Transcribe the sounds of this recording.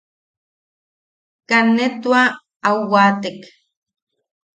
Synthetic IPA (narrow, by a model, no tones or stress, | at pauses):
kanːet̪wa | awwat̪ek